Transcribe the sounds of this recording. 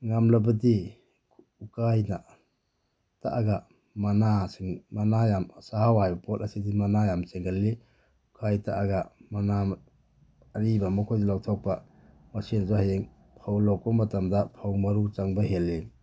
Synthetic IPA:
ŋamlabɐdi | ukajna̰ | ta̰ʔaɡa | manaseŋmanajamsahawajapɔtasidimanajamseŋɡalːi | ukʰajta̰ʔaɡamanamː | ɾibamɔkʰɔzilawtʰɔk̚pa | masinzɔhajeŋ | pʰawlɔk̚bamatamdapʰawmaɾut͡ʃaŋbaɦelːi

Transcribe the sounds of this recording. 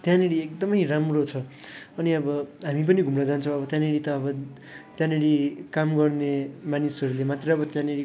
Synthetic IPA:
t̪jãneɽiek̚d̪ʌmʌjramrot͡sʰʌʌniʌbʌɦamip̬ʌniɡʱumnʌd͡zant͡sʰʌ̃w̃ʌbʌt̪janeɽit̪ʌːbʌ | t̪jãneɽikamɡʌrnemanisʌɾulemat̪reʌbʌt̪jãneɽi

